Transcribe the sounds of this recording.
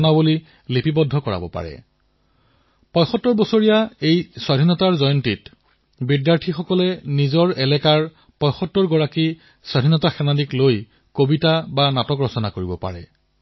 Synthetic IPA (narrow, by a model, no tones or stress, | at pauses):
nabuli | lepibɔdʱːɔkɔɹa̰bɔ̰pa̰ɹɛ̰ | pɔjxɔtːɔɹbɔsoɹijaejswadʱinɔtaɹzɔjɔntit | bidjaɹtʰixɔkɔlɛnizɔɹɛlɛkaɹ | pɔjxɔtːɔɹɡɔɹaki | swadʱinɔtaxɛnadikloj | kobitabanatɔkɹɔsɔnakoɹibɔpa̰ɹɛ̰